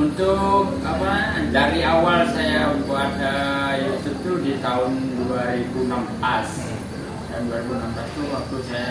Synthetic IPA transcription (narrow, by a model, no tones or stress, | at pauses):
unt̪ʊk̚ | apad͡ʒaɾiawalsajaunt̪ʊk̚adajasut̪udit̪aʊnduaɾibunampas | t̪aʊnduaɾibunampast̪uwak̚t̪usaja